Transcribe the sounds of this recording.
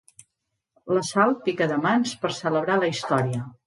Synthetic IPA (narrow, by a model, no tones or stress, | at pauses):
ləsal̚pikəðəmanspəɾsələβɾaləist̪ɔɾiə